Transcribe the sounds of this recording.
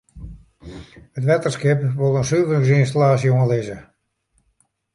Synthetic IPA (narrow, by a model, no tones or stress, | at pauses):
ətʋɛtərskɪpʋolˠənsyːvəŋs̬ɪns̬talaːsjoəlɪzə